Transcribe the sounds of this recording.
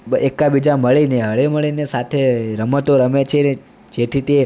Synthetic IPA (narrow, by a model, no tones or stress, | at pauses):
ekabid͡ʒaməɭineɦəɭeməɭinesat̪ʰeɾəmət̪oɾəmet͡ʃʰene | d͡ʒet̪ʰit̪e